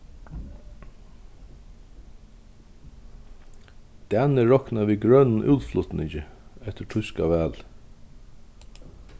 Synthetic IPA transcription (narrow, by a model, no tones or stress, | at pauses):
d̪̥ɛnəɹɔknaʋiːɡɾœnn̩ʔʉ̰ːlflʊt̪nɪçəɛt̪əʈʰʏskaʋæːl